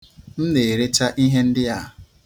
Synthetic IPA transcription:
n̩˦ne˨ɾe˦t͡ʃa˦ʔi˦ɦe˦n̩˦dɪ˦a˦˨

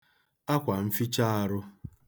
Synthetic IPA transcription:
a˦kʷa˨m̩˦fi˦t͡ʃa˦a˦ɾʊ˦

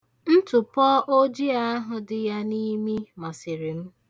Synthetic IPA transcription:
n̩˦tʊ˨pɔ˦ʔo˦d͡ʒi˦a˦ɦʊ˨dɪ˨ja˦ni˦mi˦mɔ˨sɪ˨ɾi˨m̩˦

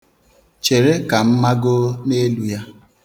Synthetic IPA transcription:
t͡ʃe˨ɾe˦ka˨m̩˦ma˦ɡo˦ne˦lu˦ja˦

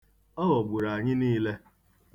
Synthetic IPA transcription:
ɔ˦ɣɔ˨ɡ͡bu˨ɾa˨ɲɪ˦niː˦le˦

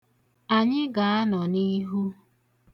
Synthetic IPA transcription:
a˨ɲɪ˦ɡa˨a˦nɔ˨ni˦ɦu˦

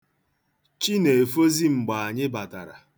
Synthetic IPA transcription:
t͡ʃi˦ne˨fo˦zi˦ŋ͡m̩˨ɡ͡ba˨a˨ɲɪ˦ba˨ta̰˨ɾa̰˨

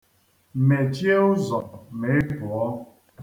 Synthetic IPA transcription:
me˨t͡ʃi˦e˦ʊ˦zɔ˨me˨e˦pʊ˨ɔ˦

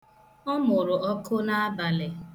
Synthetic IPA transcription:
ɔ˦mʊ˨ɾʊ˨ʔɔ˦kʰʊ˦na˦a˦ba˨lɪ˨

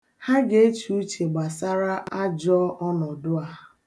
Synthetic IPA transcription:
ha˦ɡe˦e˦t͡ʃu˨u˦t͡ʃe˨ɡ͡ba˨sa˦ɾa˦ʔa˦d͡ʒɔ˦ʔɔ˦nɔ˨dʊ˦a˦

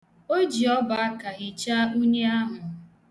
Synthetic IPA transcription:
o˦d͡ʒi˨ɔ˦ba˨a˦ka˨ɣɪ˨t͡ʃa˦u˦ɲe˦a˦ɦʊ˨

